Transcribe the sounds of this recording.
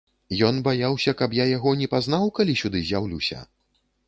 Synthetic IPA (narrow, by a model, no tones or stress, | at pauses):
jɔnbajawsʲɐkɐpjajaɣɔnʲɛpazn̪awkalʲisʲud̪ɨzʲjawlʲuwsʲɐ̰